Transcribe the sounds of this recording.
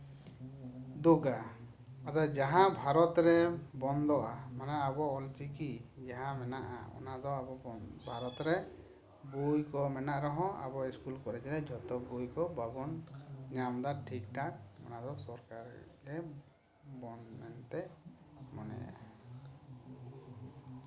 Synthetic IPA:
d̪uɡa | at̪ad͡ʒaɦãbʱaɾɔt̪ɾɛbɔnd̪ɔʔamanɛabɔɔlt͡ʃikid͡ʒaɦãmɛnaʔa̰ɔ̰nad̪ɔabɔɔbʱaɾɔt̪ɾɛ | bujkɔmɛnaʔɾɔɦɔ̃a̰bɔiskulkɔɾɛt͡ʃilɛd͡ʒʱɔt̪ɔbujkɔbabɔnɲamd̪aʈʰikʈat̪ɔ̰nad̪ɔsɔɾkaɾɾɛ | bɔnmɛnt̪ɛ | mɔnɛ̰a̰

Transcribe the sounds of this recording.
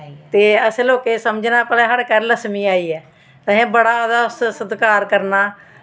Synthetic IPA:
t̪eːəsloːkeːsəmd͡ʒnaːpəlɛːɦəɽkəɾləsmĩːaːiːɛː | t̪ːɦẽːbəɽaːd̪aːssəd̪kaːɾkəɾnaː

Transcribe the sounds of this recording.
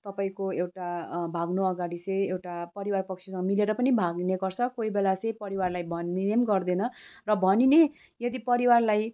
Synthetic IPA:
t̪ʌpaĩkoewʈabʱaɡnoʌɡaɽisẽjewʈapʌɾiwarpʌkt͡sʰisʌŋɡmileɾʌpʌnibʱaɡneɡʌrt͡sʰʌkoibelat͡sʌ̃jpʌɾiwarlajbʱʌninemɡʌrd̪enʌrʌbʱʌnine | jʌd̪ipʌɾiwarlaj

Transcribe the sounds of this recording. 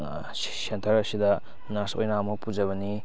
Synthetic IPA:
sentʰɐɾɐsidɐ | nasojnamɐpud͡ʒɐβɐni

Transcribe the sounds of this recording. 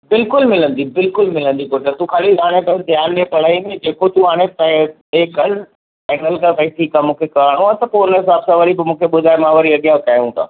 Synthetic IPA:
bɪlkʊlmɪlə̃nd̪iːbɪlkʊlmɪlə̃nd̪ikoːʈəɾt̪ukʰaːlizaːɽ̃ẽt̪ɐd̪ʱjaːnːẽpɐɽ̤aːimẽd͡ʑeːkot̪uɦaːɽ̃efa | eːkɐl | fɛːnəlkãpɐiʈʰiːkaːmũːkʰekɐʋaːɽ̃ũaːt̪ɐpoːɾɪnəɦɪsaːbsãʋɐɾibɪmũːkʰeɓʊd̪ʱaːɪmãʋɐɾiɐɠjãkaːjũːt̪a̰ː

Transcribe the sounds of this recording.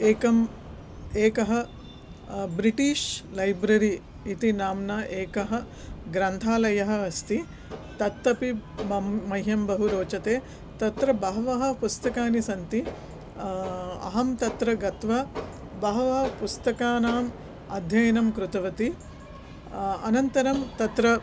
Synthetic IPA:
eːkɐm | eːkɐɦɐ̆ | bɾiʈiːʃlɐjbɾɐɾi | it̪inaːmnɐʔeːkɐɦɐ̆ | ɡɾɐnt̪ʰaːlɐjɐɦɐ̆ɐst̪i | t̪ɐt̪ːɐpimɐːɐjɦjɐmbɐɦuɾoːt͡ʃɐt̪eː | t̪ɐt̪ɾɐbɐɦɐʋɐɦɐ̆pust̪ɐkaːnisɐnt̪i | ɐ̰ɦɐmt̪ɐt̪ɾɐɡɐt̪ʋɐ | bɐɦɐʋɐɦɐpust̪ɐkaːnaːm | ɐd̪ʱjɐjɐnɐmkɾut̪ɐʋɐt̪i | ɐnɐnt̪ɐɾɐmt̪ɐt̪ɾɐ

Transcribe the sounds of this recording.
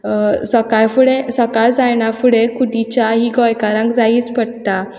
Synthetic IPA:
səkajfuɭesəkaɾd͡zajɳafuɭekud̪it͡ɕjaɦiːɡɔjkaɾãŋkd͡zaiːt͡spəɽt̪a

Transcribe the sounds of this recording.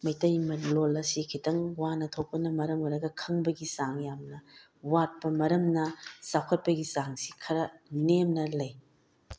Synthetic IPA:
mɐjtɐjmɐlolɐsikʰitɐŋwanɐtʰok̚pɐnɐmɐɾɐmɐɾɐɡɐkʰɐŋbɐɡisaŋjamnɐ | wat̚pɐmɐɾɐmnɐsawkʰɐt̚pɐɡisaŋsikʰɐɾɐnemnɐlɐj

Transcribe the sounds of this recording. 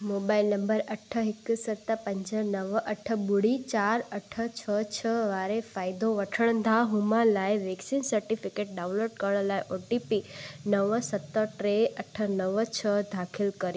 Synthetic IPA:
moːbaːɪlnɐ̃mbəɾɐʈʰəɦɪksɐt̪əpɐ̃ɲd͡ʑənɐʋʔɐʈʰə̆bʊɽ̤it͡ɕaːɾɐʈʰə̆t͡ɕʰət͡ɕʰəʋaːɾefaːɪd̪oʋɐʈʰəɽ̃ə̃nd̪ʱaɦʊmãlaːɪʋeːksinsɐɾʈifɪkeːʈ̚ɖãːʊ̃loːɖkəɾəɽ̃laːɪʔoːʈipinɐʋsɐt̪əʈɾeʔɐʈʰə̆nəʋt͡ɕʰəd̪ʱaːkʰɪlkɐɾj

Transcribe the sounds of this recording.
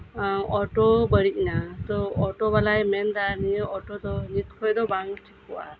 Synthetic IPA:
ʔɔʈɔbəɽic̚nat̪ɔɔʈɔbalajmɛnd̪anijəɔʈɔd̪ɔnit̪kʰɔjd̪ɔbaŋʈʰik̚pɔʔa̰

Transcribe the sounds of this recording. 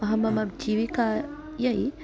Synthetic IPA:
ɐɦɐmɐmɐbd͡ʒiʋika | jɐi

